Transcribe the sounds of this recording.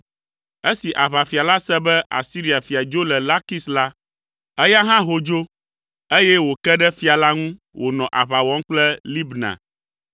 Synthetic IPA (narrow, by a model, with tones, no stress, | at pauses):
e˦si˨ʔa˨βa˨fi˨a˨la˦sɛ˦bɛ˦ʔa̰˨si˦ɾi˨a˨fi˨a˨d͡ʒo˦lɛ˨la˦ki˦sla˦ | ɛ˦ja˦ɦã˦ɦo˨d͡ʒo˦ | e˦jɛ˦wo˨kɛ˦ɖɛ˦fi˨˦a˨la˦ŋũ˦ | wʔo˨nɔ̃˨ʔa˨βa˨wɔ̃˦ŋ˦k͡plɛ˦li˦bnã̰˨